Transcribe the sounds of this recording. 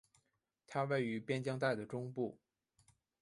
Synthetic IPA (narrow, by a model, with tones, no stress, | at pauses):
t̪ʰa˥wa˥˩ɪy˧˥pjɛ˥nt͡ɕjɑ˥ŋt̪a˥˩ɪd̪ə˩ʈ͡ʂʊ˥ŋpu˥˩